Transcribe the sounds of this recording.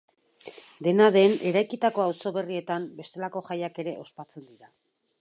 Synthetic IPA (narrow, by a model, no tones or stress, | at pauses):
d̪e̞naðe̞ne̞ɾajkit̪ako̞awso̞βe̞rie̞t̪ambe̞st̪e̞lako̞ʝajake̞ɾe̞ʔo̞spat͡se̞nd̪iɾa